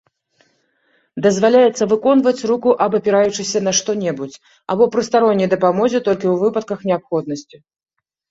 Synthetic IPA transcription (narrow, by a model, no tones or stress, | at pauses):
d̪ɐzvalʲajɛt̪sːɐvɨkɔnvɐt͡sʲrukuʔɐbɐpʲɛɾajut͡ʂɨsʲɐnɐʂt̪ɔnʲɛbut͡sʲ | a̰bɔpɾɨst̪aɾɔnʲːɐjd̪ɐpamɔzʲɛt̪ɔlʲkʲiwvɨpɐt̪̚kɐxnʲɛapxɔd̪nɐsʲt͡sʲi